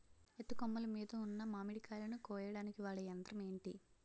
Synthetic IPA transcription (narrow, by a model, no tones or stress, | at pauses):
et̪ːukɔmːɐlɐmiːd̪ɐunːɐmaːmiɽikaːlɐnukɔːjɐɽaːnikiʋaːɭːɐjɐnd̪ɾɐme̞ːɳʈi